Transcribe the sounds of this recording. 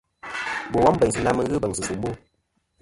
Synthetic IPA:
bo˨wɔ˦m˦bɛ˨ɲs̬ɨ˨˦na˦mɨ˦ɣɨ˦bə˨ŋsɨ˨su˨m˦bu˦

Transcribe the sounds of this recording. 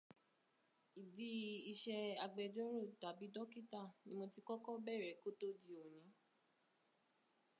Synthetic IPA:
i˨di˦i˧ʃɛ˧a˧ɡ͡bɛ˧d͡ʒɔ˦ɾo˦˨ta˨bi˨˦dɔ˦ki˦ta˦˨nĩ˦mo˧ti˦kɔ˦kɔ˦bɛ˦˨ɾɛ˨˦ko˦to˦di˧o˨j̃ĩ˨˦

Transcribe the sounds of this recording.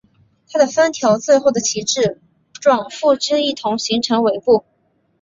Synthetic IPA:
t̪ʰa˥d̪ə˨˩fa˥nt̪ʰjɑ˧˥ʊt͡swe˥˧ɪxo˥˩ʊd̪ə˩t͡ɕʰi˧˥ʈ͡ʂɻ̩˥˩ | ʈ͡ʂwɑ˨˩ŋfu˥˧ʈ͡ʂə˥i˥˩t̪ʰʊ˧˥ŋɕi˧˥ŋʈ͡ʂʰɤ˧˥ŋwe˧˩ɪpu˥˩

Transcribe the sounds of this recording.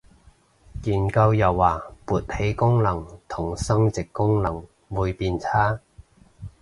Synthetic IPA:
kiː˨nkɐ˧wjɐ˨˩wːaː˨˩puː˨t̚he˨˥jkʊ˥ŋlɐ˨˩ŋt̪ʰʊ˨˩ŋsɐ˥ŋt͡sɪ˨kːʊ˥ŋlɐ˨˩ŋ | muː˨˧jpiː˧nt͡sʰaː˥

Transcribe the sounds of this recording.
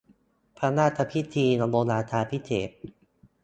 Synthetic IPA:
pʰa˧naː˥˩t̪ʰa˧pʰi˦˥t̪ʰiː˧nɔ˧boː˧naː˧t̪ʰaː˧pʰi˦˥t̪ʰeː˨˩˦p̚

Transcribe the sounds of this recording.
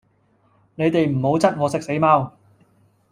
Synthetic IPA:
ne˨˧jt̪e˨jm̩˨˩ho˨˥wt͡sɐ˥t̚ŋɔː˨˧sɪ˨˥k̚se˨˥jmaː˥w

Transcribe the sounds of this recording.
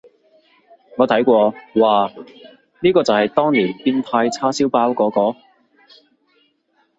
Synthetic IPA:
ŋɔː˨˧t̪ʰɐ˨˥jkʷɔː˧waː˨ | niː˥kɔː˧t͡sɐ˨whɐ˨jt̪ɔː˥ŋliː˨˩npiː˥nt̪ʰaː˧jt͡sʰaː˥siː˥wpaː˧˥wkɔː˨˥kɔː˨˥

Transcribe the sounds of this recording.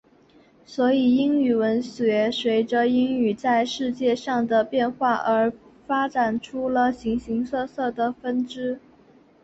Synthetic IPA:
swɔ˧˥i˨˩i˥ŋy˨˩wə˧˥nɕɥɛ˧˥swe˧˥ɪʈ͡ʂə˧i˥ŋy˨˩t͡sa˥˧ɪʂɻ̩˥˧t͡ɕjɛ˥˧ʂɑ˥˩ŋd̪ə˩pjɛ˥˧nxwa˥˩ʔə˞˧˥fa˥ʈ͡ʂa˨˩nʈ͡ʂʰu˥lə˨ɕi˧˥ŋɕi˧˥ŋsɤ˥˧sɤ˥˩d̪ə˩fə˥nʈ͡ʂɻ̩˥

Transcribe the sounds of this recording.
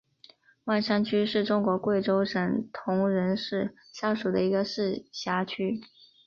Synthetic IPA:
wa˥˩nʂa˥nt͡ɕʰy˥ʂɻ̩˥˩ʈ͡ʂʊ˥ŋkwɔ˧˥kwe˥˩ɪʈ͡ʂo˥ʊʂə˨˩ŋt̪ʰʊ˧˥ŋɻə˧˥nʂɻ̩˥˩ | ɕja˥˩ʂu˨˩d̪ə˦i˧˥ɡə˧ʂɻ̩˥˩ɕja˧˥t͡ɕʰy˥

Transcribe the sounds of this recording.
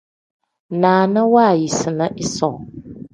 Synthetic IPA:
naː˨nə˦waː˦˨ji˨sɨ˨na˦ʔɪ˦sɔ˨

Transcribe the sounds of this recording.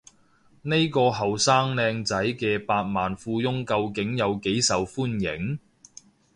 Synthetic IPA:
ne˥jkɔː˧ɦɐ˨˩wsaː˥ŋlɛː˧ŋt͡sɐ˨˥jkɛː˧paː˧t̚maː˨nfuː˧jʊ˥ŋkɐ˧wkɪ˨˥ŋjɐ˨˧wke˨˥jsɐ˨wfuː˥njɪ˨˥ŋ

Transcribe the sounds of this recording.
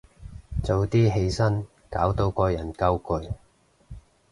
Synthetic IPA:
t͡so˨wt̪iː˥ɦe˧jsɐ˥n | ka̰ː˨˥wt̪o˧wkɔː˧jɐ˨˩nkɐ˥wkɵ˧ɥ

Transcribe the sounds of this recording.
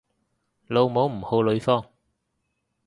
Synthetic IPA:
lo˧wmo˨˥wm̩˨˩ho˧lo˨˥˦jfɔː˧˩ŋ

